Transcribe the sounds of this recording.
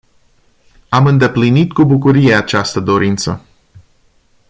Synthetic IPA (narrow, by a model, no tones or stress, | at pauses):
amɨnd̪e̞plinit̪kubukuɾije̞at͡ʃast̪əd̪o̞ɾint̪sə